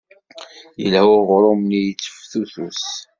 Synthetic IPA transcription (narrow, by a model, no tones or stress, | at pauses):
jəlhʊʁɾˤomnijət͡sːə̥fθuθus